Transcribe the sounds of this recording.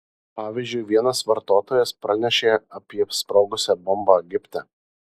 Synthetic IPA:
pɑːʋʲiːzʲd͡ʒʲʊɪʋʲiɛnɐsʋɐɾt̪oːt̪oːjɛspɾɐnʲɛʃʲeːɐpʲiɛspɾɔʊɡʊsʲɛbɔmbɑɡʲɪpʲt̪ʲɛ

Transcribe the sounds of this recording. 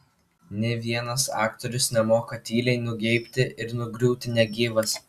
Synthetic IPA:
nʲɛʋʲiɛnɐsɑ̰ːkt̪ɔɾʲʊsnʲɛmoːkɐt̪ʲiːlʲɛɪnʊɡʲɛɪpʲt̪ʲɪʔɪɾnʊɡɾʲuːt̪ʲɪnʲɛɡʲiːʋɐs

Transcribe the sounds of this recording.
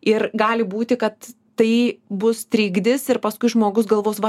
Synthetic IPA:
ɪrɡɑːlʲɪbuːt̪ʲɪkɐt̪ː | ɐɪbʊst̪ʲɾʲiːɡd̪ʲɪsɪɾpɐskʊɪʒmoːɡʊsɡɐlˠʋoːsʋɐ

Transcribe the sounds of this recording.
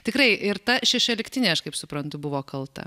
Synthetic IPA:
t̪ʲɪkrɐɪʔɪrt̪ɐʃʲɛʃʲoːlʲɪkt̪ʲɪnʲeːɐʃkɐɪpsʊpɾɐnt̪ʊbʊʋoːkɐlˠt̪ɐ̰

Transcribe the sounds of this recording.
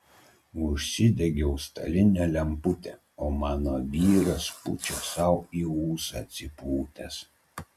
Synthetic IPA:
ʊʃʲsʲɪd̪ʲɛɡʲɛʊst̪ɐ̰lʲɪnʲɛlʲɛmpʊt̪ʲɛ | oːmɑːnoːʋʲiːɾɐspʊ̰t͡ʃʲɛsɐʊiːuːsɑt̪sʲɪpuːt̪ʲɛs

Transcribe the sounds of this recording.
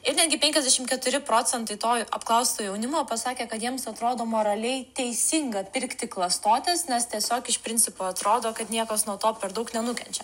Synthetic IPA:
ɪɾnʲɛd̪ʲɡʲɪpʲɛŋʲkʲɛzʲd̪ʲæɛʃʲɪmkʲɛt̪ʊɾʲɪpɾoːt͡s̪ʲɛnt̪ɐɪt̪oːjɐ̰pklˠɐʊst̪oːjɛʊnʲɪmoːpɐsɑːkʲeːkɐt̪jiɛmsɐt̪ɾoːd̪oːmoːɾɐlʲɛɪt̪ʲɛɪsʲɪŋɡɐpʲɪɾʲkt̪ʲɪklˠɐst̪oːt̪ʲeːsnʲɛst̪ʲiɛsʲoːkɪʃpʲɾʲɪnʲt͡ssʲɪpoːɐt̪ɾoːd̪oːkɐt̪nʲiɛkɐsnuɔt̪oːpʲɛɾd̪ɐʊknʲɛnʊkʲɛnʲt͡ʃʲɛ

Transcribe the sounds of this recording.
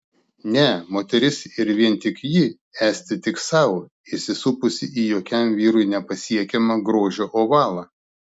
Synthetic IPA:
nʲɛmoːt̪ʲɛɾʲɪsɪɾʋʲiɛnt̪ʲɪkjɪ | æːsʲt̪ʲɪt̪ʲɪksɐʊ | ɪsʲɪsuːpʊsʲɪiːjoːkʲɛmʋʲiːɾʊɪnʲɛpɐsʲiɛkʲɛmɐɡɾoːʒʲoːʔoːʋɑːlˠɐ

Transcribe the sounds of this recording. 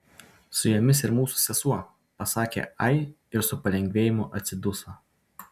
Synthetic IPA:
sʊjɛmʲɪsɪɾmuːsʊ̥sʲɛsuɔ | pɐsɑːkʲḛɐɪ | ɪɾsʊpɐlʲɛŋʲɡʲʋʲeːjɪmʊʔɐt̪sʲɪd̪ʊsoː

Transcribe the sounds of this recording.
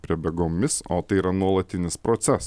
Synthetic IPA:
pʲɾʲiɛbʲɛɡoːmʲɪso̰ːt̪ɐɪiːɾɐnuɔlˠɐt̪ʲɪnʲɪspɾot̪sʲɛs

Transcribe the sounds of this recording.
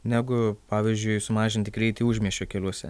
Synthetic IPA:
nʲæːɡʊpɑːʋʲiːzʲd͡ʒʲʊɪsʊmɑːʒʲɪnʲt̪ʲɪɡɾʲɛɪt̪ʲiːuːʒʲmʲiɛʃʲoːkʲɛlʲuɔsʲɛ̰

